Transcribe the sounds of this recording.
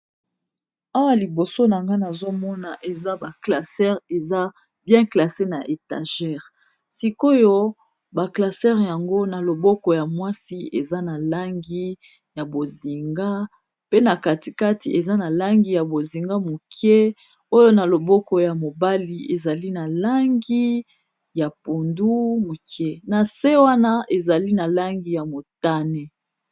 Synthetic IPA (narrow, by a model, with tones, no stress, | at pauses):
a˦wa˦li˨bo˨so˦na˨ŋɡa˦na˨zo˦mɔ˦na˨ʔe˨za˦ba˨kla˨sɛ˦ʁe˨za˦ | bjɛ̃˦kla˨se˦na˨ʔe˨ta̰˨ʒɛ˦ʁ | si˦ko˦jo˦ | ba˨kla˨sɛ˦ʁja˨ŋɡo˦na˨lo˨bɔ˦kɔ˨ja˨mwa˦si˦e˨za˦na˨la˦ŋɡi˦ | ja˨bo˨zi˨ŋɡa˦ | pe˦na˨ka˨ti˨ka˦ti˨ʔe˨za˦na˨la˦ŋɡi˨ja˨bo˨zi˨ŋɡa˦mu˨kʰjɛ˦ | o˦jo˦na˨lo˨bɔ˦kɔ˨ja˨mo˨ba˦li˨e˨za˨li˦na˨la˦ŋɡi˦ | ja˨pu˨ndu˦mu˨kʰɛ˦na˨se˦wa˦na˦ʔe˨za˨li˦na˨la˦ŋɡi˦ja˨mo˨ta˦nɛ˦